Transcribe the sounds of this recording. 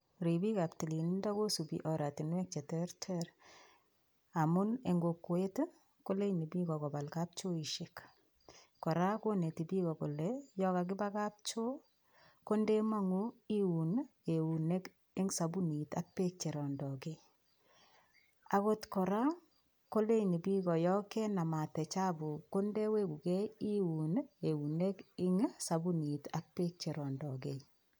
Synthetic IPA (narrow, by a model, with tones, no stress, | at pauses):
ɾi˨bi˦ka˨pti˨li˨n˦nda˦ko˦su˨bḭ˨ʔɔ˨ɾa˨ti˨nwɛ˦k̚t͡ʃe˨teɾtʰɛ˦ɾ | a˨mʊ˦ne˨ŋɡo˨kːwe˦t | ko˦le˦ni˨bi˦kɔ˨kɔ˨ba˨lka˦p̚t͡ʃo˦i˨ʃek | kɔ˨ɾa˦ko˦ne˨ti˨bi˦kɔ˨ko˨lɛjɔ˦ka˨k̬ɪ˦ba˦ka˦p̚t͡ʃo˦ | ko˦nde˦ma˦ŋui˦wu˨ne˨u˨ne˦k | ɪ˦ŋsa˨bu˦ni˨ta˦k̚pe˦k̚t͡ʃe˨ɾɔ˨ndɔ˨ke˦ | a˨˦ko˦tkɔ˨ɾa˦ | ko˦le˦i˨ni˨pi˦kɔ˨jɔ˦ke˦na˨ma˨tɛ˨t͡ʃa˦bu˨ko˦nde˦we˦ku˨ke˦i˦wu˨ne˨u˨ne˦kɪ˦ŋsa˨bu˦ni˨ta˨k̚pe˦k̚t͡ʃe˨ɾɔ˨ndɔ˨k̬e˨